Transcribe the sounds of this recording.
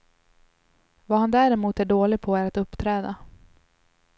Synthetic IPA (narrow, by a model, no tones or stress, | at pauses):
vaːɦand̪æɾɛmuːt̪æɖoːlɪɡ̚pʰɔæɾat̪ɵpːt̪ʰɾɛːd̪a